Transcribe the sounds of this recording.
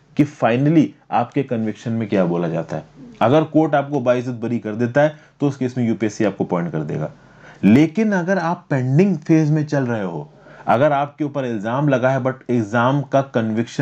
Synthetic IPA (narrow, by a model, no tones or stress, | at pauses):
kifaːɪnəliaːpkekɐ̃nʋɪkʃənmẽkjaːboːlad͡ʒa̰ːt̪aɦɛːɐɡəɾkoːɾʈaːp̚kobaːɪs̬ʊt̪̚bɐɾikɐɾd̪eːt̪aɦɛt̪oʊskeɪsmẽjuːpeːsiaːp̚kopɔ̃ːɪ̃ɳʈ̚kɐɾd̪ḛːɡa̰ː | leːkɪnɐɡəɾaːpːɛ̃ːɳɖɪ̃ŋɡfeːzmẽt͡ʃɐlɾɐɦeɦo̰ː | ɐ̰ɡəɾaːp̚keuːpəɾɪlzaːmlɐɡaɦɛbɐʈɪkzaːmkakɐnʋɪkʃə